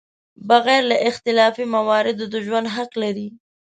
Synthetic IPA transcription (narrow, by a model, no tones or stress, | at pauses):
baɣɛɾlaʔɪxt̪ɪlɑfimawɑɾɪd̪od̪əʒwand̪ɦaqlaɾi